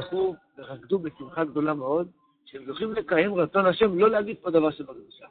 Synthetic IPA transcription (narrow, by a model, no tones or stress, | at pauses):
χuveʁaɡd̪ubesimχaɡd̪o̞lameo̞d̪̚ | ʃeemzoχimle̞kaje̞mʁat͡so̞nhaʃe̞mlo̞leaɡid̪̚po̞d̪avaʁʃebaɡd̪uʃa